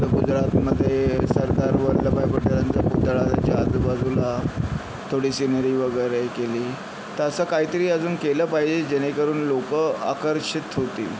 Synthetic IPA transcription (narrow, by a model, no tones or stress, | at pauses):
əɡud͡zɾat̪məd̪ʱːjesəɾd̪aɾʋəɾləbajpəʈəɾant͡ɕaput̪ɭat͡ɕaad͡zbad͡zula | t̪ʰoɽiːsinəɾiːʋəɡəjɾekeliː | t̪asəkaɦiːt̪əɾiːəd͡zuːnkeləːpaɦid͡ʑed͡ʑenekəɾuːnlokəa̰kəɾɕit̪ɦot̪ḭː